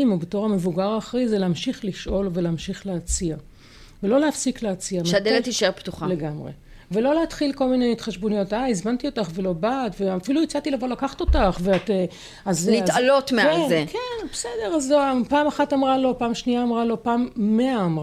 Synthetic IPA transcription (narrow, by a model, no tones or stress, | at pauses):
imubeto̞ʁhamevuɡaʁaːχʁizeleamʃiχliʃʔo̞lveleːmʃiχleat͡sia | velo̞leafsikleat͡siamʃd̪elet̪iʃeʁpt̪uχale̞ɡamʁḛ | ve̞lo̞leatχilko̞lminejit̪χaʃbonijo̞taizmantio̞taχve̞lo̞batveafiluit͡satilavo̞lakaχto̞taχveate | azliialot̪meaezekenbesede̞ʁazpaːmaχatamʁalo̞paːmʃniaːmʁalo̞paːmːeaːmʁa